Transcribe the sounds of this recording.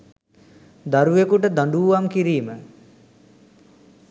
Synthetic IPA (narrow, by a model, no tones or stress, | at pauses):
d̪aɾuekuʈəd̪aɳɖuʋamkiɾiːmə